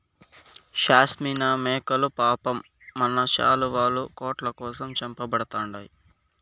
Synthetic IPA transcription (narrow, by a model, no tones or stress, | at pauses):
ʃaːsmiːnaːmɛːkɐlupaːpɐmː | ɐnɐt͡ʃa̰ːluʋaːlukoːʈlɐkɔːsɐmt͡ʃɐmpɐbɐɽɐt̪aːɳɖaːji